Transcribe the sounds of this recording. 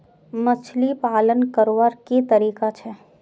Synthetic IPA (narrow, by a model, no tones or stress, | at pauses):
mɐt͡ʃʰlipaːlənkəɾoʋaɾket̪ɐɾiːkat͡ʃʰɛː